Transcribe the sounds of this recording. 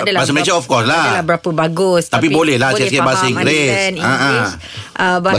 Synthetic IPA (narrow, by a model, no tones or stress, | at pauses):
dbas̬əmeʃəɔfkɔslaabəɾapəbaɡʊst̪ap̬ibolɛhlahskɛbasəiŋɡɾesaʔə | ʔəba